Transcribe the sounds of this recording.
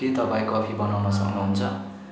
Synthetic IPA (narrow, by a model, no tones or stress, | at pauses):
it̪ʌpãĩkʌpʰibʌnawnʌsʌknuɦunt͡sʰʌ